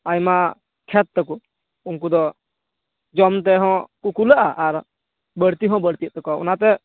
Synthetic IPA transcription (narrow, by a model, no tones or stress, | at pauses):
ajma | kʰɛt̪̚ːɛku | unkud̪ɔ | d͡ʒɔmt̪ɛɦɔ̃kukulaʔaʔaɾ | bəɽt̪iɦɔ̃bəɽt̪iəʔt̪ɔkaṵnat̪ɛ